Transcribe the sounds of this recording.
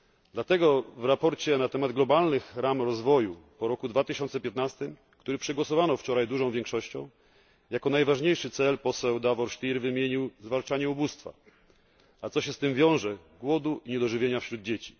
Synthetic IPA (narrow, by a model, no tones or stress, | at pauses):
d̪lat̪ɛɡɔvɾapɔɾt͡ɕɛnat̪ɛmad̪ɡlɔbalnɘxɾamɾɔzvɔjupɔɾɔkud̪vat̪ɘɕɔnt̪sɛpʲjɛt̪nast̪ɘm | kt̪uɾɘpʂɛɡwɔsɔvanɔft͡ʂɔɾajd̪uʐɔ̃w̃vʲjɛ̃ŋkʂɔɕt͡ɕɔ̰̃w̃ | jakɔnajvaʐɲejʂɘt̪sɛlpɔsɛwd̪avɔɾʂt̪ʲiɾvɘmʲjeɲiwzvalt͡ʂaɲɛubust̪fa̰ | at̪sɔɕɛst̪ɘmvʲjɔ̃w̃ʐɛ | ɡwɔd̪uʔiɲɛd̪ɔʐɘvʲjeɲafɕɾud̪̚d͡ʑet͡ɕi̥